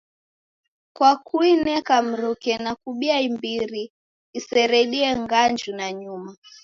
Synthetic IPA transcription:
kwakuinɛkam̩ɾukɛnakuɓiaimbiɾiː | sɛɾɛɗiɛŋɡand͡ʒunaɲuma

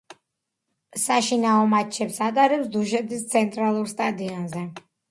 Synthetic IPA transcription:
saʃinaɔmat͡ʃʰɛpsat̪ʼaɾɛpsd̪uʃɛt̪ʰist̪sʰɛnt̪ʼɾalˠuɾst̪ʼad̪iɔnzɛ

